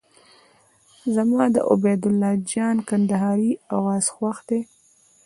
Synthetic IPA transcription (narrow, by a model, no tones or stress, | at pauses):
zamɑd̪ə̰ʔʊ̰bed̪ʊlːɑd͡ʒɑnkand̪aɦɑɾiawɑz̥xwaxd̪e